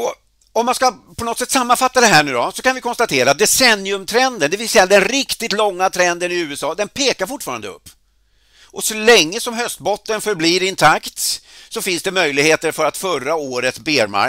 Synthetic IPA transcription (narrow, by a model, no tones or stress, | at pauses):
ɔ | ɔmːanskapʰɔnɔt̪sɛt̪ːsamːanfat̪ːad̪ɛɦæːɳʉ̟ːd̪ɔsɔkanvɪkʰɔnst̪at̪ʰeːɾaːt̪̚d̪ɛsɛnːɪɵmt̪ʰɾɛnd̪ənd̪ɛvɪlsɛjad̪ɛnɾɪkt̪ɪt̪lɔŋːat̪ʰɾɛnd̪ənɪʉ̟ːəsɑːd̪ɛnpʰeːkaɾfʊʈːfɑːɾand̪əɵ̰pː | ʔɔsɔlɛŋːəsɔmɦœst̪̚bɔt̪ːənfœɾbliːɾɪnt̪ʰakt̪sɔfɪnsd̪ɛmœjlɪɡheːt̪əɾfœɾat̪fœraoːɾət̪sbeːɾma̰